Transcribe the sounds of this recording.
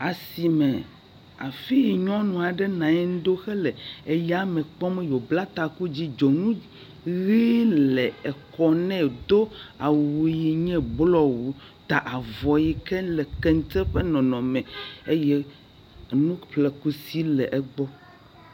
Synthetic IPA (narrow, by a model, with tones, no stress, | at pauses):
a˨si˨mɛ̃˨ | a˨fi˦ji˨ɲɔ̃˦nũ˨a˨ɖɛ˦nã˨ɛ˦n˦d̪o˦xɛ˦lɛ˨e˦ja˦mɛ̃˨k͡pɔ˦mɛ̃˦jo˨bla˦t̪a˨ku˦d͡ʑi˦d͡ʒɔ˨nũ˦ | ɣi˦lɛ˨ɛ˨kɔ˦nɛ̃˦˨d̪o˦a˨wu˨ji˨ɲɛ̃˦blɔ˦wu˨ | t̪a˨ʔa˨vɔ˨ji˦kɛ˦lɛ˨kɛ˦ŋ˦t̪ɛ˦ɸe˦nɔ̃˨nɔ̃˨mɛ̃˨e˦jɛ˦˨ | nũ˦ɸlɛ˨ku˦si˦lɛ˨ʔɛ˦ɡ͡bɔ˦